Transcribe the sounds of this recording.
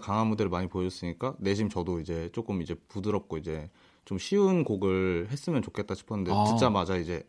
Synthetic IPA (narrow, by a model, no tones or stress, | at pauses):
kaŋɦamudeɾmaɲipojʌs͈ɯɲik͈ane̞ɕ̬ʰimt͡ɕʌdoid͡ʑe̞t͡ɕ͈ok͈ɯmid͡ʑe̞pudɯɾʌp̚k͈oid͡ʑe̞ | t͡ɕomɕʰiunkoɡɯɭhe̞s͈ɯmjʌnt͡ɕokʰet̚t͈aɕʰi̥pʰʌnɯndeot͡ɕit͡ɕ͈amad͡ʑaid͡ʑe̞